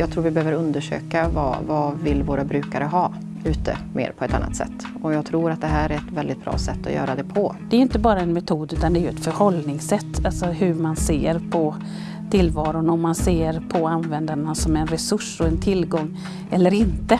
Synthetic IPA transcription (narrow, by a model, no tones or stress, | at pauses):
jɑːɡ̚t̪ʰɾuːɾvɪbɛhøːvəɾɵnd̪əʂø̰ːkavɑ̰vɑvɪlvoːɾabɾʉ̟ːkaɾəɦɑː | ʉ̟ːt̪ə̰mʔḛːɾpʰɔɛt̪anːa̰t̪sɛ̰t̪ː | ɔjɑːɡ̚t̪ʰɾuːɾat̪̚d̪ɛɦæːɾæɾɛt̪vɛld̪ɪt̪̚b̥ɾɑ̰ːsɛt̪ːɔ̰jœ̰ːɾad̪ɛpʰɔd̪ɛæɾjɪnt̪əbɑːɾaɛnmɛt̪ʰuːd̪ʉ̟ːt̪and̪ɛːjɵɛt̪fœɾhɔlnɪŋsɛt̪ːalsɔɦɵmanseːɾpʰɔ | t̪ʰɪlvɑːɾʊnɔmːanseːɾpʰɔanvɛnd̪aɳasɔmɛnɾɛsɵʂːɔɛnt̪ʰɪlɡɔŋː | ɛlːəɾɪnt̪ə